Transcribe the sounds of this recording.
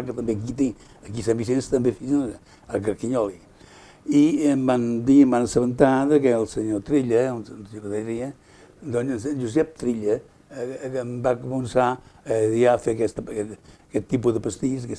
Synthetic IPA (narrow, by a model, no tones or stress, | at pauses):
akət̪ɐmbek̬it̪i | ɐkis̬ãmbis̬enst̪ɐmbẽfizin | akəɾkiɲɔli | imband̪imbansəβənt̪aðɐkɛlˠsəɲot̪ɾiʎɐunsɲokðaɾiɐ | d̪ɔɲsnd͡ʒuzɛp̚t̪ɾiʎɐ | mbakmunsa | afekɛst̪kɛt̪ːipuðəpəst̪iskɛ